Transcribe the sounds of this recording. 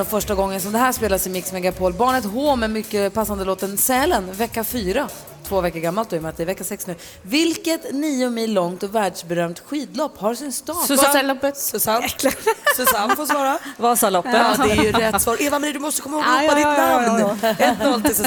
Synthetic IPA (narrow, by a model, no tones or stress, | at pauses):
ɔfœʂʈaɡɔŋːənsɔmd̪ɛɦæːʂpeːlasɪmɪksmɛɡapʰoːlbɑːɳət̪ɦoːmɛmʏkːəpasːand̪əloːt̪ənsɛːlənvɛkːafyːɾa | t̪ʰvoːvɛkːəɾɡamːalt̪̚d̪ɔɛmɛnat̪d̪ɛɾvɛkːasɛksnʉ̟ː | vɪlkət̪niːʊmɪlːɔŋt̪ɔvæːɖʂbɛɾœːmt̪ɧiːd̪lɔpːhaɾsɪnst̪ɑːət̪sa | sɔsanfoːsvɑːɾavɑsalɔpːəɛjjɵɾɛt̪ːsvɑːɾʔeːvamɾɪːd̪ɵmɔst̪əkʰɔmːahoɡɡ̪ɔpːad̪ɪb̪a | ɛɔlt̪ɪs